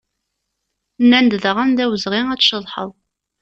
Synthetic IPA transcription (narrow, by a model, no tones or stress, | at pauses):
nːænd̪ðəʁænðæwəzʁiŋæt͡sːʃəðˤħə̰ðˤ